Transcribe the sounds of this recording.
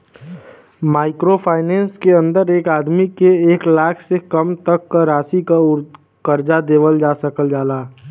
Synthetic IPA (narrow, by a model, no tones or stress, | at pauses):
maːɪkɾopʰaːɪnɛ̃ːnskeə̃nd̪əɾeːkaːd̪mikeeːklaːkʰsekɐmt̪əkːaɾaːsikaʊɾ | kəɾd͡ʒad̪eːʋəld͡ʒaːsəkəld͡ʒaːlaː